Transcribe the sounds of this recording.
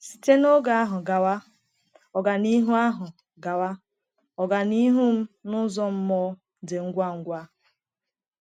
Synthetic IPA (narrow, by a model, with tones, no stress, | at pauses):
si̥˨te˦no˦ɡa˨a˦ɦʊ˨ɡa˨wa˦ | ɔ˨ɡa˨ni˦ɦu˦a˦ɦʊ˨ | ɡa˨wa˦ | ɔ˨ɡa˨ni˦ɦu˦m̩˦nʊ˦zɔ˦m̩˦mɔ˦ | de˨ŋ̩˦ɡʷa˦ŋ̩˦ɡʷa˦